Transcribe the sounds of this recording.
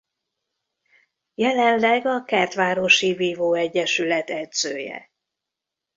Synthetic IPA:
jɛlɛnlɛɡɒkɛrt̪ʋaːɾo̞ʃiviːvoːɛɟːɛʃylɛt̪ɛd̪z̥øːjɛ̰

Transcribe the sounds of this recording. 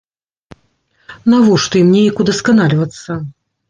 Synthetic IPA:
navɔʂt̪ɔimnʲejɐkud̪ɐskanalʲvɐt̪sːɐ

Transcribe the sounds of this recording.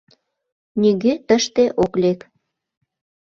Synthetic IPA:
niɣet̪əʃt̪eʔoklek

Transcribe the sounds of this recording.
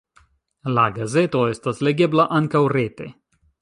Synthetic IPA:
laɡaze̞t̪o̞e̞stasle̞ɡe̞blaʔaŋkawɾet̪e̞̰

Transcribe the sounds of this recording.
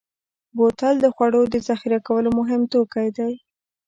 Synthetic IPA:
bot̪ald̪əxwaɽod̪əzaxiɾakawəlomʊɦɪmt̪okajd̪aj

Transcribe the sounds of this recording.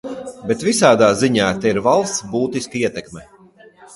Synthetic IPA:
bɛt̪visaːd̪aːziɲaːt̪ɛiɾvalˠst̪sbuːt̪iskaiɛt̪ɛkmɛ

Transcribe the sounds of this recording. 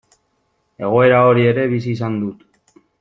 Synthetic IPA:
e̞ɣ̞o̞e̞ɾao̞ɾie̞ɾe̞βis̬iːsand̪ut̪

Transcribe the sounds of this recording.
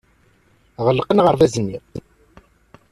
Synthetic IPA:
ʁəlːqənʁəɾˤðæzənːi

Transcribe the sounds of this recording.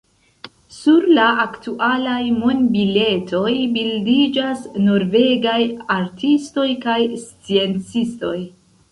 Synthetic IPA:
suɾlaaktuʔalajmonbile̞tʰo̞jbildid͡ʒasno̞ɾve̞ɡajaɾtʰisto̞jkajst͡sie̞nt͡sisto̞j

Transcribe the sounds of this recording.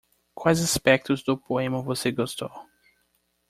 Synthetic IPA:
kwajzaspɛk̚t̪ʊzd̪ʊpoẽmɐvoseɡost̪o

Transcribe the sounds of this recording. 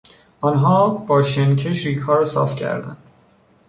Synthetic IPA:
ʔɒːnɦɒːb̥ɒːʃencʰeʃɾiːkʰɒːɾsɒ̰ːft̪cʰæ̰ɾd̪æ̰nd̪̥

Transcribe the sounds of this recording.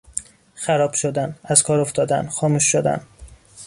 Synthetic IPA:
xæɾɒːb̥ʃod̪ænæzkʰɒːɾoft̪ɒːd̪æ̰nxɒːmuːʃːod̪æ̰n

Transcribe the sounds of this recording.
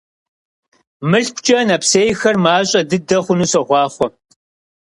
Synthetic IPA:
mɨɬkʷʰt͡ʃʼɐnɐpseːjxɐrmaːɕʼɐdɨdɐχʷʊnuːsɐʁʷɑːχʷɔ

